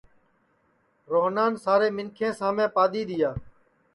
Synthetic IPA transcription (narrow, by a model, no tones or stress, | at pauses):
ɾoːɦnaːnsaːɾeːmɪŋkʰẽːsãːmẽːpaːd̪iːd̪ɪjaː